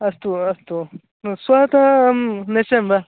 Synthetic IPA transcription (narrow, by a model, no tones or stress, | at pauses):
ɐst̪uɐst̪u | swaːt̪ɐmnesɐmbɐ